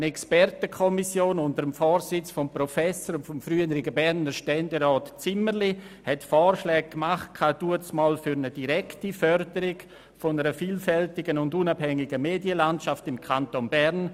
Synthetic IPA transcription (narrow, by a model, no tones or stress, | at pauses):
ənɛkspɛɾtəkʰɔmisjoːnʊndəɾəmfɔːɾsɪt͡sfɔmpɾɔfɛsoɾnfɔmfɾyənəɾɪɡəbɛɾnəɾʃtɛndeɾɔːtt͡sɪməɾli | hɛtfɔːɾʃlɛːɡ̚kmaχt̚kʰaːd̥uət͡smɔːlfʏɾnədiɾɛktifœɾdəɾɪɡ | fɔnəɾəfiːlfɛltɪɡənʊndunabhɛŋɪɡəmeːdjəlantʃaftɪmkʰantonbɛɾn